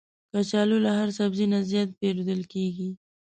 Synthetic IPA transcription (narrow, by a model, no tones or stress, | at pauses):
kat͡ʃɑlolaɦaɾsabzinazjɑt̪̚peɾod̪əlkeɡi